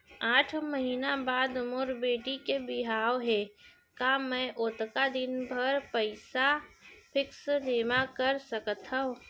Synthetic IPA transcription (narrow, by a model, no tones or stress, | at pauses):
aːʈʰməɦiːnabaːd̪mʊɾbeːʈikebɪɦaːʋɦɛ | kamɛ̃ʔʊt̪kad̪ɪnbʱəɾpəɪsapʰɪksleːmakəɾsəkt̪ũː